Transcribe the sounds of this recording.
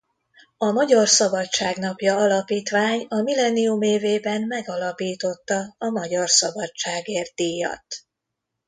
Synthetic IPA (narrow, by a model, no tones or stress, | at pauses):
ɒmɒɟɒrsɒbɒtt͡ʃːaːɡnɒpjɒɒlɒpiːt̪ʋaːɲɒmilɛniumeːveːbɛnmɛɡɒlɒpiːt̪o̞t̪ːɒɒmɒɟɒrsɒbɒt͡ʃaːɡeːrt̪ijɒ̰t̪